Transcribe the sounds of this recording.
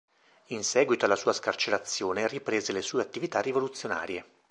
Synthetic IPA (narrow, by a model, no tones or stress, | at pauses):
insɛːɡwit̪oalasuːaskart͡ʃeɾat̪sːjoːneripɾeːzelesuːeat̪ːivit̪arːivolut̪sːjona̰ːɾje